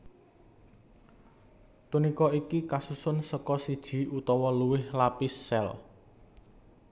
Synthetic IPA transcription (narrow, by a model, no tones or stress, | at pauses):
t̪unikɔikikasusʊnsəkɔsid̥ʒ̥i̤ut̪ɔwɔluwɪhlapisːɛl